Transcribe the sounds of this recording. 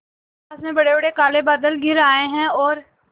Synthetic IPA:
aːsmẽbɐɽebɐɽekaːlebad̪əlɡʱɪɾaːẽɦɛ̃ɔːɾ

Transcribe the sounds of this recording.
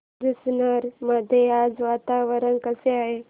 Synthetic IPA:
d̪isnəɾməd̪ʱːjead͡zʋat̪aʋəɾənkəseaɦe

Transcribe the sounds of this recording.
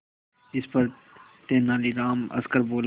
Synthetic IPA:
ɪspəɾ | t̪eːnaːliːɾaːmɐ̰skəɾboːl

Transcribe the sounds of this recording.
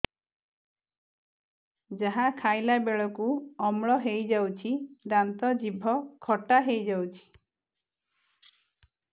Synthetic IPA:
d͡ʒaɦakʰajlabeɭɔkuɔmɭɔɦejd͡ʒawt͡ʃʰiɾant̪ɔd͡ʒibʱɔkʰɔʈaɦejd͡ʒawt͡ʃʰi̥

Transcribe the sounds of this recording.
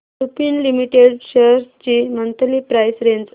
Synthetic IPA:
ɾupinlimiʈeɖɕəɾst͡ɕiːmənt̪əliːpɾajsɾend͡z

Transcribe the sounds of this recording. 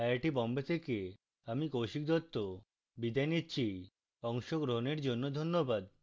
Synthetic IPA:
ajaʈibɔmbet̪ʰeke | amikowʃik̚d̪ɔt̪ːo | bid̪ajnitːɕʰi | ɔŋʃoɡɾoɦoneɾd͡ʑonːod̪ʱonːobad̪

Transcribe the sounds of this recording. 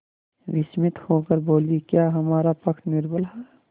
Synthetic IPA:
ʋɪsmɪt̪hoːkəɾboːlikjaːɦɐmaːɾapɐk̪ʰnɪɾbəlɦɛː

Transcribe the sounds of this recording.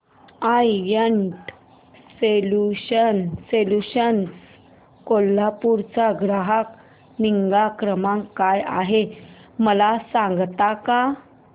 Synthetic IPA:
ajjəɳʈ | seluɕənseluɕəns | kolːapuɾt͡saɡɾaɦak | niŋɡakɾəmãŋkːaja̰ɦeməlasãŋɡt̪aka

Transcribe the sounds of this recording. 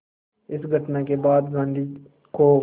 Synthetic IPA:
ɪsɡʱəʈnakebaːd̪ɡãːnd̪ʱiː | ko

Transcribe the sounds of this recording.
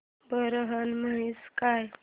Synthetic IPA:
bəɾəɦənməɦiskaj

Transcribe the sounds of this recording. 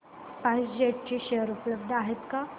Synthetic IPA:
pãsd͡ʑeʈ̚t͡ɕeɕeɦəɾupləbd̪aɦet̪ka

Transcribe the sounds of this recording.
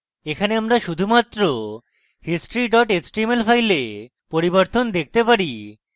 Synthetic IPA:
ekʰaneamɾaʃud̪ʱumat̪ːɾo | hisʈɾiɖɔʈesʈɾimelfajle | poɾiboɾt̪ond̪ek̚ʰt̪epaɾi

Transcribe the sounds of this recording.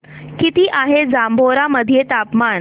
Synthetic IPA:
kit̪iːʔaɦed͡zambʱoɾaməd̪ʱijet̪apmaɳ

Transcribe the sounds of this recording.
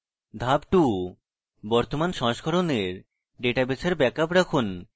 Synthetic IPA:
d̪ʱabʈu | bɔɾt̪omanʃɔ̃ŋʃkʰɔɾoneɾ | ɖeʈabesʰaɾbɛkapɾakʰun

